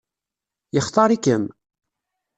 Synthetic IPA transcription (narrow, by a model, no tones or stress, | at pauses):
jəχt̪ˤɑɾˤikəm